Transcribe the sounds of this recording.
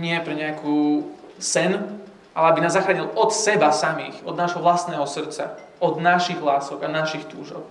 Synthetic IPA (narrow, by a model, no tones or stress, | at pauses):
ɲɪɛpɾɛɲɪakuː | sɛn | ʔalɛabinaːzːaxɾaːɲilɔt̪sɛbasamḭːxɔd̪naːʒɦɔʋlast̪nɛːɦɔsr̩t͡sa̰ | ɔd̪naʃiɣlaːsɔɡanaʃixt̪uːʒɔ̰ʊ